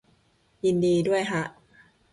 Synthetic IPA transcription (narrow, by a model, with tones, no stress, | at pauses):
ji˧ndiː˧du˥˩əjkʰa˦˥ʔ